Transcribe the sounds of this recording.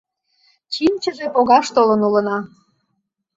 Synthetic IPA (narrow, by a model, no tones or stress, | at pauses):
t͡ɕimt͡ɕəʒepoɣɑʃt̪olənulənɑ